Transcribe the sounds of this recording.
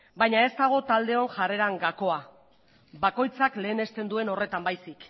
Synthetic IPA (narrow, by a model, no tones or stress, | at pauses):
bajɲae̞st̪aɣ̞o̞t̪ald̪e̞o̞nʝare̞ɾaŋɡako̞a | bako̞jt͡sakle̞ːne̞st̪e̞nd̪ue̞no̞re̞t̪ambajsik